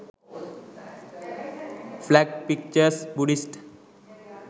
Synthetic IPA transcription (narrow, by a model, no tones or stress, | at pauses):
flæɡ̚pik̚t͡ɕəɾsbuɖisʈ